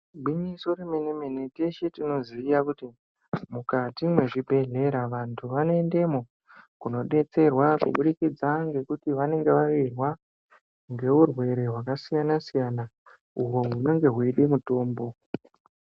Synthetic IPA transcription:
bʱinisoɾemenemenete̞ʃetino̞ziːjakuti | mukatimwe̞ʐibʱe̞ɮe̞ɾaʋantʰuʋanoe̞nde̞mo | kuno̞ɗe̞t͡se̞rwakṵɓuɗikid͡zaŋɡe̞kutiʋane̞ŋɡe̞ʋaʋirwa | ŋɡe̞urwe̞ɾe̞ɦwakasijanasijana | uɦo̞ɦuno̞ŋɡe̞ɦweɗimuto̞ːmbo̞

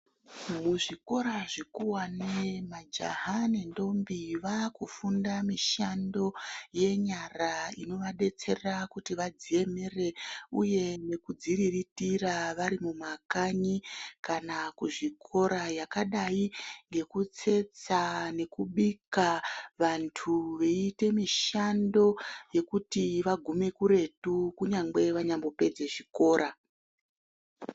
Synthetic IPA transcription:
muʐiko̞ɾaʐikuwanemad͡ʒa̰ɦane̞ndo̞mbiʋakufundamiʃando̞je̞ɲaraino̞ʋaɗe̞t͡se̞rakutiʋad͡zie̞mere̞uje̞ne̞kud͡ziriritiraʋaɾimumakaɲikanakuʐikʰo̞ɾajakaɗaiŋɡe̞kut͡se̞t͡sane̞kuɓikaʋantʰuʋe̞ite̞miʃando̞je̞kutiʋaɡʱume̞kuɾe̞tukuɲaŋɡe̞ʋaɲambo̞pe̞d͡ze̞ʐiko̞ːɾa

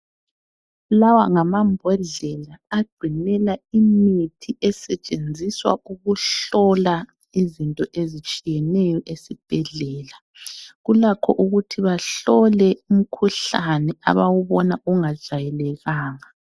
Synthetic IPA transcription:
lawa̰ŋamambʱɔɮɛlaːɡ͡ǀʱinɛlaimitʰiʔɛsɛt͡ʃʼend͡zʱiswa̰uɣuɬɔla | izintʼɔʔezit͡ʃʼijɛnɛjɔʔesib̥ʱɛɮɛːla | ɣulakʰɔʔuɣutʰiβaɬɔlɛum̩kʰuɬanɛa̰βawuβɔnaʔuŋḁʒ̥ʱajɛlɛɣaːŋa

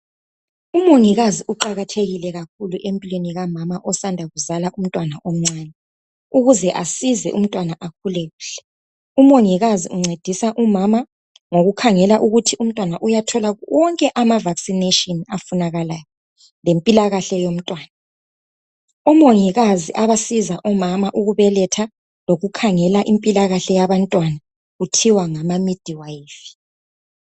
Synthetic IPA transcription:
umoŋiɣaziʔuǃaɣatʰeɣilɛɣak̚ʰuluʔempʼilweniɣamamaʔɔsandʱaɣuzalaʔum̩tʼwanaʔom̩ŋ͡ǀaːnɛ | uɣuzɛʔasizɛ̰ʔum̩tʼwanaʔak̚ʰulɛɣuːɬɛ̥ | umoŋiɣazḭuŋ͡ǀed̥ʱisaʔumama | ŋoɣukʰaŋɛlaʔuɣutʰium̩tʼwanaʔujatʰɔlawɔŋkʼɛʔamavaksinetʼɔnafunaɣalajɔ | lempʼilaɣaɬɛjom̩tʼwaːna | ɔmoŋiɣaziʔaβasizaʔɔmamaʔuɣuβɛlɛtʰa | loɣukʰaŋɛlaʔimpʼilaɣaɬɛjaβantʼwana | ɣutʰiwaŋamamid̥ʱiwaifi̥

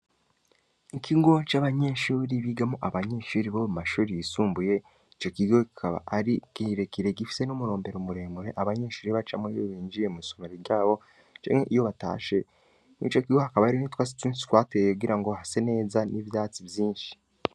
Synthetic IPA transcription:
ikʰiɡo̞t͡ʃaːβaɲe̞ʃuːɾiβiɡamoʔaβaɲe̞ʃuːɾiβomumaʃuːɾijisuːmbuje̞ | it͡ʃo̞kiɡokikʰaβa̰ʔaɾiɡiɾekiɾeɡifi̥se̞nomuɾo̞ːmbe̞ɾomuɾe̞ːmuɾe̞ʔaβaɲe̞ʃuːɾiβat͡ʃamwejoβiːnd͡ʒiɾe̞miːso̞meɾeɾɟaːβo̞ | t͡ʃḛneʔijo̞βata̰ːʃe̞ | nḭt͡ʃo̞kiɡo̞hakaβaɾinitwaːsi̥tiːnsi̥twaːtejoɡiɾaŋɡo̞hase̞ne̞ːzanʔiβjaːt͡siβjiːnʃi̥

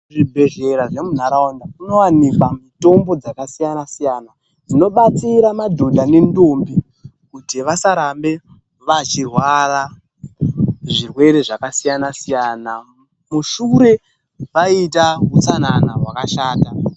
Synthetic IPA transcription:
ʐibʱe̞ʒe̞ɾaʐe̞mun̤aɾaondauno̞wanikwamito̞mbo̞d͡zakasijanasijaːna | d͡zino̞ɓat͡siɾamadʱodʱane̞ndoːmbi | kutiʋasaɾambe̞ | ʋat͡ʃirwara | ʐirwe̞ɾe̞ʐakasijanasijana | muʃuɾe̞ | ʋaitaɦut͡sananaɦwakaʃaːta

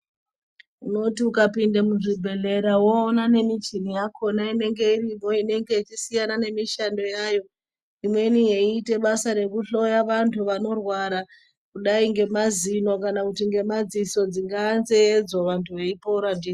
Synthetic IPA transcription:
uno̞tiukapindamuʐibʱe̞ɮe̞ɾawoːnane̞mit͡ʃinijakʰo̞naine̞ŋɡe̞irimo̞ine̞ŋɡe̞it͡ʃisijanane̞miʃando̞jaːjo̞ | imwe̞nije̞iːte̞ɓasaɾe̞kuɬo̞jaʋantʰuʋano̞rwaɾa | kuɗaiŋɡe̞mazino̞kanakutiŋɡe̞mad͡ziso̞d͡ziŋɡaːnzeːd͡zoʋantʰuʋe̞ipouɾandiː

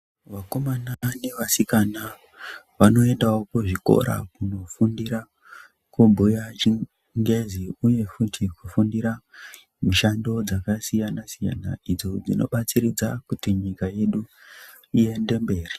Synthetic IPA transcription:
ʋako̞manane̞ʋasikana | ʋano̞e̞ndaokuʐiko̞̰ɾa̰kuno̞fundiɾa | kubʱujat͡ʃi | ŋɡeziuje̞futʰikufundiɾa | muʃando̞d͡zakasijanasija̰na̰id͡zo̞d͡zino̞̰ɓat͡siɾid͡zakutiɲikaje̞ɗu | ie̞nde̞mbe̞ːri

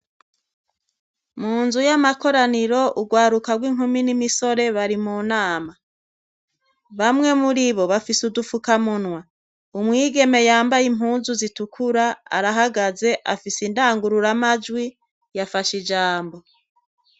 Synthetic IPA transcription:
muːnzujamako̞ɾaniɾo̞ʔuɡwaːɾukaɡwiŋ̥huminimiso̞ɾe̞βaɾimuːnaːma | βamŋe̞muɾiβo̞βafisudufukamunwa | umŋiːɡe̞me̞jaːmbajimhuːnzuzitukʰuɾaa̰ɾaɦaɡaze̞ʔa̰fisindaːŋɡuɾuɾamad͡ʒwi | jafaʃid͡ʒaːmbo̞

